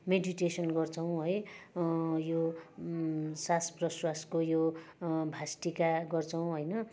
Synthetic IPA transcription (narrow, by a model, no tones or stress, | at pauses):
meɖiʈesʌnɡʌrt͡sʰʌw̃ɦʌj | jo | sasprʌswaskojobʱasʈikaɡʌrt͡sʰʌw̃ɦʌjnʌ